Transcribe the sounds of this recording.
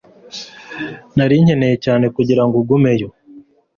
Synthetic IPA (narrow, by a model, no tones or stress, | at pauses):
naɾiɲhe̞ne̞jecaːne̞kuɟiɾaŋɡuɡume̞jo